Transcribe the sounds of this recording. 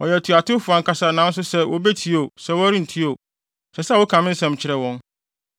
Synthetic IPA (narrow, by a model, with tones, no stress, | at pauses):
ɔ˨jɛ˨tʰu˨a˨tʰʊ˦fʊ˨a˨ŋ̩˨kʰa˨sa˨nãː˨˦n̩˦s̬ʊ˦sɛ˦wʔɔ̰˦be˦tʰi˦o˨sɛ˦wɔ˦ɾi˦n̩˨tʰi˦o˨ | sɛ˨sɛ˦˨wɔ˦kʰã˨mɪ̃˦n̩˦sɛ̃˦mt͡ɕʰɪ˨ɾɛ˨wɔ̃˦n